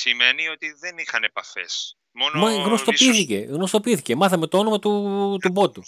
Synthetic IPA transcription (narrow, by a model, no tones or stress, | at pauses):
simenio̞t̪iðenixɐnepɐfes | monmɐɣnost̪o̞iiθiceɣno̞st̪o̞piiθice̞mɐθɐme̞t̪oonomɐt̪ut̪ubo̞t̪u